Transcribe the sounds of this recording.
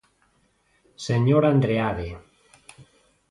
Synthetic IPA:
seɲoɾand̪ɾeaðe

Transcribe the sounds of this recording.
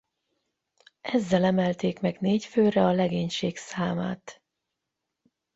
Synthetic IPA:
ʔɛzːɛlɛmɛlt̪eːkmɛɡneːcføːrɛɒlɛɡeːɲʃeːksaːma̰ːt̪

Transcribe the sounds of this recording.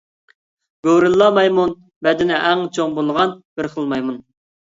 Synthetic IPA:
ɡ̥oɾɨlˠːɑmɑjmun | bɛd̪ɪnɪʔæŋt͡ʃʰoŋbolˠʁɑnb̥ɪɾχəlˠmɑjmun

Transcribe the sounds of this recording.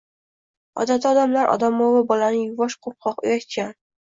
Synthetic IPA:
ɒ̰d̪at̪ʰɒd̪amlaɾʔɒ̰d̪amɒvabɒlanɪjʊvɒʃqʰoɾp̚qʰɒqʊ̰jat̪kʲan

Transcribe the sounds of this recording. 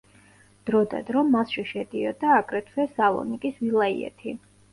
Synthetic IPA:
d̪̥ɾɔd̪a̰d̪ɾɔmːasʃiʃɛd̪iɔd̪aːkʼɾɛt̪ʰvɛsalˠɔ̰nikʼisvilˠaḭɛ̰t̪ʰi

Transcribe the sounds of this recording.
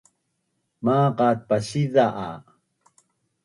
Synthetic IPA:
maːqat̪̚pasiðaʔa̰

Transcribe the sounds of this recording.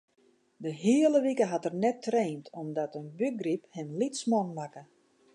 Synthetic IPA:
dəɦiələʋikəɦatərnɛtʰreːntʰɔmdɔtənbyɡriphɪmlitsmɔŋmakə

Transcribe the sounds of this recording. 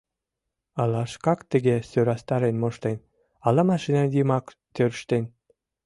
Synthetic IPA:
ɑlɑʃkɑkt̪əɣesøɾɑst̪ɑɾenmoʃt̪en | ɑlɑmɑʃinɑnd̪imɑk | t̪øɾʃt̪en

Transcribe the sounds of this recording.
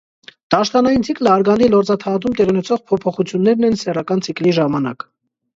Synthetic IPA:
d̪̥ɑʃt̪ɑnɑjint͡sʰikləɑɾɡɑnd̪ilɔɾt͡sɑt̪ʰɑɑt̪umt̪ɛʁiunɛt͡sʰɔʁpʰɔpʰɔχut͡sʰjunːɛɾnɛnsɛrɑkɑnt͡sʰikliʒɑmɑnɑ̰k

